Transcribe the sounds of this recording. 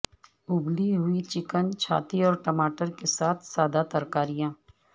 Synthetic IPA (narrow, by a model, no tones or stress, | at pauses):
ʊbliɦʊit͡ʃɪkənt͡ʃʰa̰ːt̪iɔːɾʈəmaːʈəɾkesaːt̪ʰsaːd̪at̪əɾkaːɾijãː